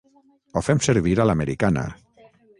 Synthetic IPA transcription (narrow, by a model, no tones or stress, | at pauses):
ofɛmseɾβiɾalameɾikana̰